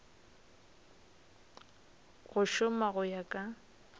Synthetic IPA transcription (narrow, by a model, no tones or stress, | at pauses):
ɣʊʃʊmaɣʊjakʼa